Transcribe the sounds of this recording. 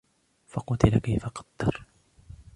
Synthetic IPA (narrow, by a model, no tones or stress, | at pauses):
fɑqʊt̪ɪlakajfaqɑ̥d̪̥ːɑɾˤ